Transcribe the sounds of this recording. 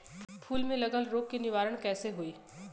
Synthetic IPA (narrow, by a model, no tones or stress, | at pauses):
pʰuːlmẽlɐɡəlɾoːkːinɪʋaːɾəɽ̃kɛːseɦoiː